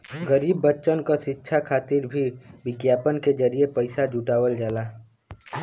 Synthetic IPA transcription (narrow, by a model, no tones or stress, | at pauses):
ɡəɾiːbːətːʃənkaʃɪtːʃʰakʰaːt̪ɪɾbʱiʋɪɡjaːpənked͡ʒəɾijepəɪsad͡ʒuʈaːwəld͡ʒaːlaː